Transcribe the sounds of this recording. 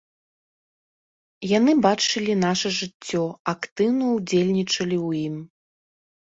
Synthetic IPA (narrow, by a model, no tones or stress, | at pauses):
janɨbat͡ʂɨlʲin̪aʂɐʐɨt͡sʲːɔakt̪ɨwnɐwd͡zʲelʲnʲit͡ʂɐlʲiwjim